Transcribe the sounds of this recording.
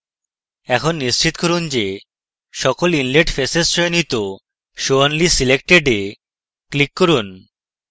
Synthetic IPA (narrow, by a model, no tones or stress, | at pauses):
ɛkʰonːist͡ɕit̪koɾund͡ʑe | ʃɔkolinleʈfesesʃɔjonit̪o | ʃoanlisilekʈeɖe | klikːoɾun